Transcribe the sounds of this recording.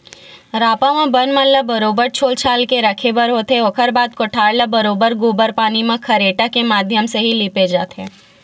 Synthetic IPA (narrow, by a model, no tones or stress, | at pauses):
ɾaːpãmãbənmənləbɐɾoːbəɾt͡ʃʰoːlt͡ʃʰaːlkeɾɐkʰebəɾɦoːt̪eʋɐkʰəɾbaːd̪̚koʈʰaːɽlabɐɾoːbəɾɡuːbəɾpaːnimãkʰɐɾeːʈakemaːd̪ʱjəmseɦiliped͡ʒaːt̪ɦɛ̃ː